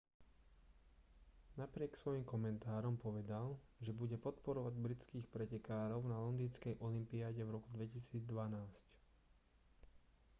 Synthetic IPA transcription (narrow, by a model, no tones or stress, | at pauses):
napɾɪɛksʋɔjimkɔmɛnt̪aːɾɔmpɔʋɛd̪al | ʒɛbuɟɛpɔt̪pɔɾɔʋaɟbɾit͡skiːxpɾɛcɛkaːɾɔʊnalɔnd̪iːnt͡skɛjʔɔlimpiaːɟɛvɾɔkud̪ʋɛcisiːd͡zd̪ʋanaːsc